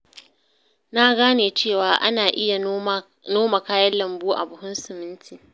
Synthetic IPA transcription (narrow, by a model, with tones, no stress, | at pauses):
naː˦ɡaː˦neː˨t͡ʃeː˦˨waː˨ʔa˦naː˨ʔɪ˦ja˨ | noː˦ma˨kaː˦jɐ˦lːɐ˨mbuː˦ʔa̰˨bʊ˨hʊ˦nsʊ˨mɪ˦ntʰiː˨